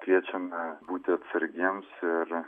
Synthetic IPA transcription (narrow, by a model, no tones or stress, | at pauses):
kʲʋʲiɛt͡ʃʲɛmʲɛbuːt̪ʲɪɐt̪sʲɐɾʲɡʲimsɪɾ